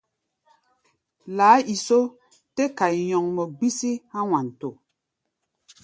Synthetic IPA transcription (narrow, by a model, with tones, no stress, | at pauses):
laː˨˦i˨so˦ | te˦ka˨jjɔ˨ŋmɔ˨ɡ͡bi˦si˦hã˦wã˨n˨to˨